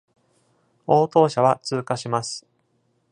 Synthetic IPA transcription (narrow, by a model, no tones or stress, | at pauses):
o̞ːt̪o̞ːɕaβat͡sɨːkaɕimasɨ̥